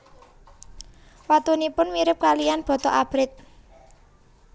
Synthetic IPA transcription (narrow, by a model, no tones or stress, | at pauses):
wat̪unipʊnwiɾɪp̚kalijanb̥ɔ̤t̪ɔʔab̥ɾɪt̪̚